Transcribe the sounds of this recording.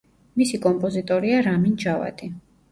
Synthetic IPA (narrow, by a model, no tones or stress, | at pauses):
misikʼɔmpʼɔzit̪ʼɔɾiaɾamind͡ʒava̰t̪ʼi